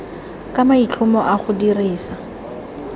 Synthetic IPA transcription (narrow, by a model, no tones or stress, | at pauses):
kʼamait͡ɬʊmɔʔaχʊdiriːsa